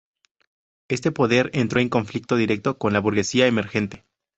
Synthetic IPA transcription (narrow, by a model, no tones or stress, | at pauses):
e̞st̪e̞po̞ðe̞ɾe̞nt̪ɾo̞eŋko̞ɱflik̚t̪o̞ðiɾe̞k̚t̪o̞ko̞nlaβuɾɣe̞siaeme̞ɾxe̞nt̪e̞̥